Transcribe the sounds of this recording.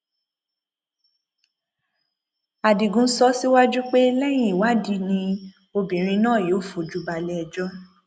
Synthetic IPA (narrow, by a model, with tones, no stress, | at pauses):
a˨di˨ɡũ˨˧˦sɔ˦si˦wa˦d͡ʒu˦k͡pe˦lɛ˦j̃ĩ˦˨i˨wa˦˨di˧˦nĩ˧˦ | o˧bĩ˨ɾ̃ĩ˧nãː˦˨jo˨˦˨fo˨d͡ʒu˦ba˧lɛ˦ɛ˧˨d͡ʒɔ˦